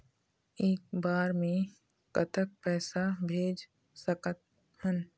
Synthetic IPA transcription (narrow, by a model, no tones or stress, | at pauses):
eːk̚baːɾmẽ | kət̪ʰək̚pɛːsabʱeːd͡ʒ | səkət̪̚ | hən